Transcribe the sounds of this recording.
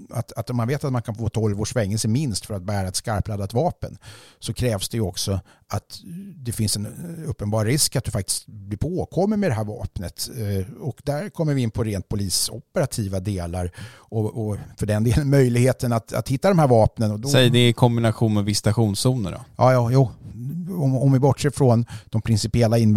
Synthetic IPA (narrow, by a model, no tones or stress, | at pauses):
at̪at̪ɔmːanveːt̪at̪mankʰanfoːt̪ʰɔlvoːʂvɛŋːəsɛmɪnst̪fœɾat̪̚bæːɾaɛt̪skaɾplaːd̪at̪vɑːpənsɔkʰɾɛːvsd̪ɛjɵɔksɔ | at̪d̪ɛfɪnsɛnɵpːənbɑːɾɾɪskat̪̚d̪ɵfakt̪ɪ̥st̪blɪɾpʰoːkʰɔmːəɾmɛd̪ɛɦæːɾvɑ̰ːpnət̪ɔkd̪æɾkʰɔmːəɾvɪɪnːpʰɔɾeːnt̪̚pʰʊliːsɔ̰pːəɾat̪ʰiːvad̪eːlaɾ | ɔɔfœɖɛnd̪eːlənmœjlɪɡheːt̪ənat̪a̰t̪hɪt̪ːad̪ɔmhæɾvɑːpnənɔd̪ɔsɛjd̪ɪkʰɔmbɪnaɧuːnmɛvɪsːt̪aɧuːnsuːnə̰ɖɔ̰jɑːjːjuː | ɔɔmvɪbɔʈʂeːɾfɾɔnd̪̥ɔmpʰɾɪnsɪpɪɛlːaɪn